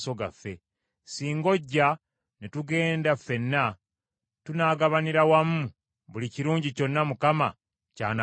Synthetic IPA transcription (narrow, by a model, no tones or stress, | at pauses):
so̞ɡa̰fːe̞ | siːŋɡo̞ɟːa | netuɡe̞ːndafe̞nːa | tunaːɡaβaniɾawamːu | βuliciɾuːɲɟico̞nːamukama | ca̰ːna